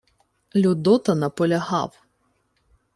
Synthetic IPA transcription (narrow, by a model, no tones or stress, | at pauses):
lʲʊd̪ɔt̪ɐnɐpɔlʲɐɦɑ̰w